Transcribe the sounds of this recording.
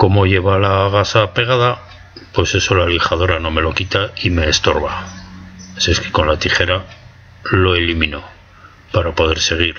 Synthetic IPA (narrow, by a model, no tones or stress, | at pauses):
ko̞mo̞ʝe̞βalaɣasape̞ɣ̞aða | pwe̞se̞so̞lalixaðo̞ɾano̞me̞lo̞kit̪aime̞ːst̪o̞ɾβa | sieske̥ko̞nlat̪iχe̞ɾa | lo̞elimino̞ | paɾapo̞ðe̞ɾse̞ɣ̞iɾ